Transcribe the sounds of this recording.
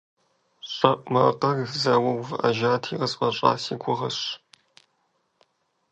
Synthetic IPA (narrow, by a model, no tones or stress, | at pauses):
ɕʼɐʔʷʼmɐqɐɡzɐwɐwvʔɐ̰ʒaːtʰiːʁɐsfɐɕʼɑ̰ːsiːɡʷʰʊʁɐɕ